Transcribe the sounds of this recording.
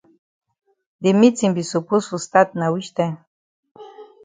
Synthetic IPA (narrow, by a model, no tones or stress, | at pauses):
d̪imit͡simbisupusust̪at̪̚nawiʃt̪e